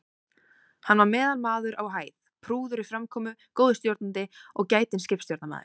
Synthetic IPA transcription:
hanvaɾmɛːðalmaːðʏɾawɦaːjðpʰɾuːðʏɾifɾamkʰɔːmʏkoːwðɪst̪jowɾt̪nant̪ɪɔɣcaːjt̪ɪnscɪpst̪jowt̪nama̰ːðɪ̰̥

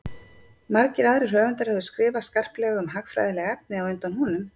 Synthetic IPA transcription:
maɾcɪɾaðɾɪ̥r̥œːvɛnt̪aɾhɛðʏskɾɪːvaskar̥plɛɣʏmɦakfɾa̰jðɪlɛɣɛp̚nɪawœɥnt̪anhunʏm

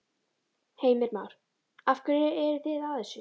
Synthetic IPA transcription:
heːjmɪɾmawɾ̥ | afkʏɾɪɛɾθɪðaðɛsʏ

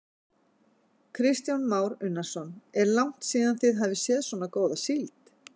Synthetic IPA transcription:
kʰɾɪst̪janmaːwɾʏnːasɔnɛɾlawŋ̥t̪siːðanθɪðɦaːvɪsjɛːðswɔːnakoːwðasilt̪

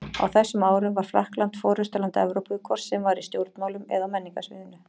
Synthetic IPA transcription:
a̰wθɛsːʏmaːwɾʏmvaɾ̥fla̰hklant̪fɔːɾʏst̪alant̪ɛ̰vɾowpʏkʰvɔr̥sːɛmvaɾist̪jowɾt̪nmawlʏmɛ̰ðawmɛnːiŋkasvɪ̰ːðʏnːʏ

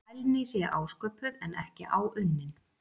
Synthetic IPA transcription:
jlnɪsjɛʔaːwskœːpʏðɛnʔɛ̰hcɪʔaːwʔʏnːɪn

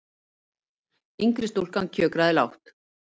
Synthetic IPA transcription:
iŋkɾɪst̪owl̥kaŋcʰœːkɾaðɪla̰wht̪

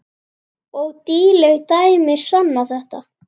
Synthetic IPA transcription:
ɔɣt̪iːlɛɣt̪aːjmɪ̥sanːaθɛht̪a

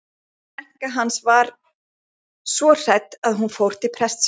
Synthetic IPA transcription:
ɛhkaɦansvaɾ | svɔr̥ɛt̪aðɦunfowɾ̥t̪ɪpʰɾɛst̪s

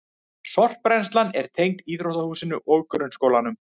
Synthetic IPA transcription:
sɔr̥pɾɛnst̪lanɛɾ̥t̪ʰejŋkiːðɾowhðahuːsɪnʏʔoɣkʏɾʏnskoːwlanʏm

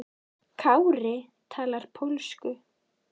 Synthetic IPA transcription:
kʰawɾɪ | t̪ʰaːlaɾ̥pʰowlskʏ

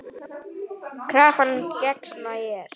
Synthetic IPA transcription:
kʰɾaːfancɛksmajɛɾ̥

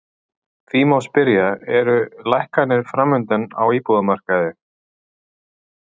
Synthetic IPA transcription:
θiːmawspɪɾjaɛɾʏlajhkanːɪɾ̥fɾamːʏnt̪ɛna̰wiːpuðamar̥kaðɪ

